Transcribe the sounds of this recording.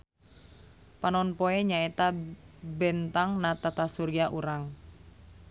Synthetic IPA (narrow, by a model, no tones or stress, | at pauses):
panɔnpɔeɲaet̪abɛnt̪aŋnat̪at̪asuɾiaʔuɾaŋ